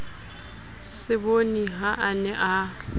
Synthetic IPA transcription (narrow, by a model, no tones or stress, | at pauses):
sɪboniɦaʔanɛʔa